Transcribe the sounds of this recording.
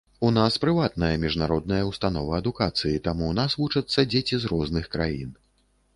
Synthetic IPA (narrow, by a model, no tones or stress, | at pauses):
unaspɾɨvat̪̚nɐjɐmʲiʐnaɾɔd̪̚nɐjɐwst̪anɔvɐɐd̪ukat̪sɨjit̪amunasvut͡ʂɐt̪sːɐd͡zʲet͡sʲizɾɔznɨxkɾa̰jin